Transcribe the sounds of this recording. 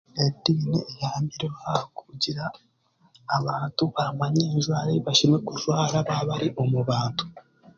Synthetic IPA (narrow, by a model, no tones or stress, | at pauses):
edineːjaːmbiɾeβaaku̥ɟiɾaː | βaːntuβamaɲeːɲʒwaːɾiβaʃimekuʒwaːɾaβaβaɾiʔo̞muβaːntu̥